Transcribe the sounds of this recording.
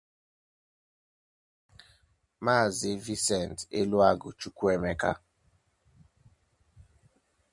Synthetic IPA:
ma˦˨ze˦vi˦sɛ˨n˨tḛ˦lwa˦˨ɡo˨t͡ʃu˦ku˦ɛ˦mɛ˦ka̰˦

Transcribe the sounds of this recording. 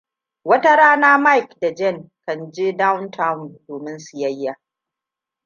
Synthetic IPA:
wɐ˦ta˦ɾaː˦naː˦ma˦jkda˨d͡ʒɛ˦˨ŋkɐ˦nd͡ʒe˦da˦wntʰa˦wʊ˨ndoː˨mɪ˦nsu˨jɐ˦jːaː˨

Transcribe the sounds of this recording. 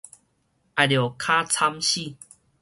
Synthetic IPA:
a˨ɾjo˨˩kʰa˦t͡sʰa˦mɕi˥˨

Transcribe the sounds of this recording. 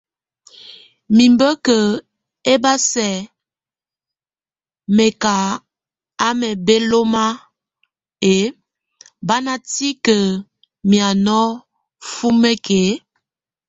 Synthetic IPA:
mi˨mbə˦kə˨ | e˦ba˦sɛ˨ | mɛ˨ka˨ | a˦mɛ˨be˦lo˦ma˦ | e˨˦ | ba˦na˦ti˦kə˨ | mi˨a˨nɔ˦ | fu˦me˦ke˨˦

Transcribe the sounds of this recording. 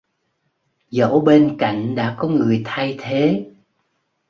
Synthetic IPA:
zo̰˧˥ɓe˧nka̰˧˨jŋ̟ɗa̰ː˧˥kɔ˨˦ŋɨ˨˩əjt̪ʰa˧jt̪ʰe˨˦

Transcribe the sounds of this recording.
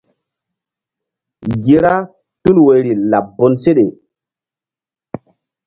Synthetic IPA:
ɡi˦ɾa˦ | tu˦lwe˨ɾi˨la˨bo˦nse˦ɗe˨

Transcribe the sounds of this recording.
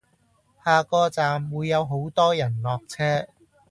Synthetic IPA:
haː˨kɔː˧t͡saː˨mwuː˨˧jːɐ˨˧wɦo˨˥wt̪ɔː˥jɐ˨˩nlɔː˨k̚t͡sʰɛː˥

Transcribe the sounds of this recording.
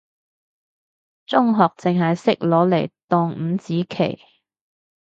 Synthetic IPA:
t͡sʊ˥ŋɦɔː˨k̚t͡sɪ˨ŋɦɐ˨jsɪ˥k̚lɔː˨˥le˨˩jt̪ɔː˧ŋm̩˨˧˦t͡siː˨˥kʰḛ˨˩j

